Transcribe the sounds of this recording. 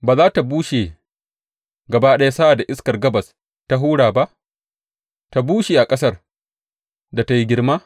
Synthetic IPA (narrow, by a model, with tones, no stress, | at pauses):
baː˨zaː˦ta˨buː˦ʃe˨ | ɡɐ˨baː˦ɗɐ˦ja˦sa˦ʔa˨da˨ʔɪ˦skɐ˨rɡɐ˦bɐ˨s | ta˦ɦuː˦ɽaː˨ba˦ʔ | ta˨buː˦ʃeː˨ʔa˨kʼɐ˦sɐ˦r | da˨ta˦ji˦ɡʲɪ˦rmaː˦